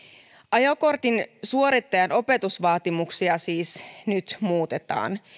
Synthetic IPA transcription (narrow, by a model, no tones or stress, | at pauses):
ʔɑjoko̞rt̪insuo̞ɾit̪ːɑjɑno̞pe̞t̪usʋɑːt̪imuksiɑsiːsnyt̪muːt̪e̞t̪ɑ̰ːn